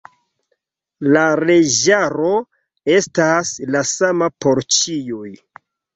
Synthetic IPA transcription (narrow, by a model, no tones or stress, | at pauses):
laɾe̞ʒaɾo̞ | e̞staslasamapoɾt͡ʃijoj